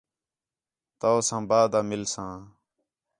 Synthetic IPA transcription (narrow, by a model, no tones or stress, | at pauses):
t̪aːsãːbaːd̪aːmɪlsãː